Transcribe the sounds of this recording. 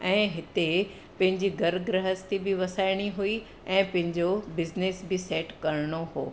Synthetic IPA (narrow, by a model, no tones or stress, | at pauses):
ɛ̃ːɦɪt̪e | pɐ̃ɦɪ̃ɲd͡ʑiɡɐɾɡɾɐɦəst̪ibɪʋɐsaːɪɽ̃iɦui | ɛ̃ːpɐ̃ɦɪ̃ɲd͡ʑobɪznesbɪseːʈkɐɾɪɽ̃oɦoː